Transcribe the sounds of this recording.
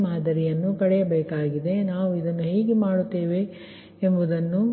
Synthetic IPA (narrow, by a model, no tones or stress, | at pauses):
maːd̪ɐɾijɐnːukɐɽɛjɐbeːkaːɡid̪e̞naːʋuid̪ɐnːuɦeːɡemaːɽut̪ːeːʋe̞ | embud̪ɐnːu